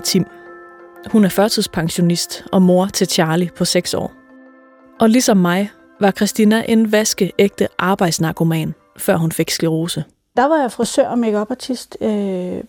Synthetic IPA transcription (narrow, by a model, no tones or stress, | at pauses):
t͡sʰim | hunæɐfɶɐt͡sʰɨð̰ˠspʰɑ̈ŋɕo̝nisd̥ʔɒ̽mo̝ɐt͡sʰe̝t͡ɕʰɑ̈ːlipʰɒ̽seɡ̥sɒ̰ː | ʔɒ̽lisɒ̽mːɑ̈ɪ | ʋɑ̈kʰʁɛsd̥inæʔe̝nʋæsɡ̥əʔeɡ̥̚d̥əʔɑ̈ːb̥ɑ̈ɪd̥snɑ̈kʰo̝mɛ̰ːn | fɶɐ̰ɦunfe̝ɡ̥sliʁo̝ːsə | d̥ɑ̈ʋɑ̈jafʁɑsø̰ɐ̰meɡ̥ɒb̥ɑ̈t͡sʰisd̥ø